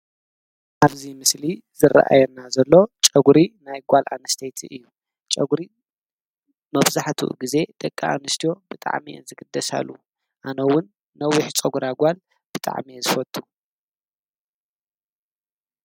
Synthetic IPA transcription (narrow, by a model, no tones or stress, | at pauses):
ʔaβzimɨsli | zɨra̰ʔa̰jɛnːazɐlːo̞t͡ʃʼɐɡuɾinajɡʷalʔa̰nɨst̪ʰejt̪ʰiʔɨjːu | t͡ʃʼɐɡuɾi | mɐβzaħt̪ʰṵʔɡize̞d̪ʼɐkʼːaʔa̰nɨst̪ʰijo̞bɨt̪ʼa̰ʕminzɨɡɨd̪ːɐsa̰lːu | ʔanɐwʊnː | ɐwiħt͡ʃʼɐɡuɾaɡʷal | b̥ɨt̪ʼa̰ʕmizɨfɐt̪ʼːu̥